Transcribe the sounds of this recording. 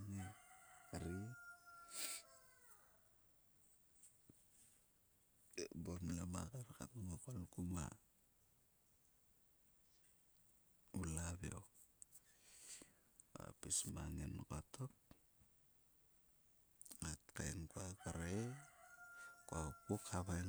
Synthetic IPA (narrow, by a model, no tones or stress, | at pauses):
ŋeaɾi | bomilamakaɾkatumokolkuma̰ | ulaβeo | oa̰pismaŋenkotok̚ | atka̰jnkuakaɾe | kapukʰaβan